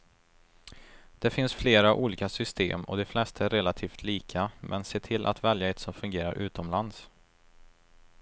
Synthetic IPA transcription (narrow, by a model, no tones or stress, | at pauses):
d̪̥ɛfɪnsfleːɾaʔuːliːkasʏst̪ḛːmɔ̰d̪ɛflɛst̪ʰaɛɾɛlat̪ʰiːft̪ʰliːkʰamʔɛnseːt̪ʰɪlʔa̰t̪vɛljaɛt̪sɔmfɵŋɡeːɾa̰ɾʔʉ̟ːt̪ɔmland̪s